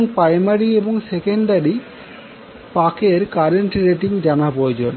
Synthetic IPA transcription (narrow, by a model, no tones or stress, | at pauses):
ŋpɾajmaɾieboŋsekeɳɖaɽi | pakeɾkaɾeɳʈiɾeʈiŋd͡ʑanapood͡ʑon